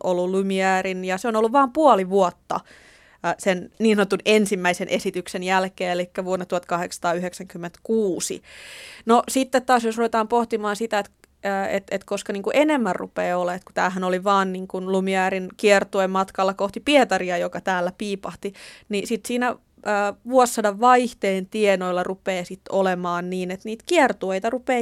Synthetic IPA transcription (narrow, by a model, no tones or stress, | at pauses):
ʔolːulumiæːrinjɑseonolːuʋʋɑːmpuoliʋuot̪ːɑ̰ | senniːnsɑnot̪ːunensimːæisenʔesit̪yksenjælkeːelikːæʋuonːɑt̪uhɑt̪kɑheksɑ̥t̪ɑːyheksæŋkymːent̪kuːsḭnosit̪ːet̪t̪ɑːsjosruʋet̪ɑːmpoht̪imɑːnsit̪æet̪ː | ḛt̪et̪koskɑniːŋkuʔenemːærrṵpeːolːɑet̪ku̥t̪æːɦænoliʋɑːnniːŋkunlumiæːɾinkiɛrt̪uemmɑt̪kɑlːɑkoht̪ipiet̪ɑriɑjokɑt̪æːlːæpiːpɑht̪inisit̪siːnæː | ʋuosːɑdɑʋʋɑiht̪eːnt̪ienoilːɑrupeːsit̪ːolemɑːnniːnet̪niːt̪kiɛrt̪uejt̪ɑrupeː